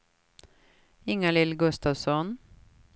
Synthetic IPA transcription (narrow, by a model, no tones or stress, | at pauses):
ɪŋalɪlɡɵst̪ɑʋsɔn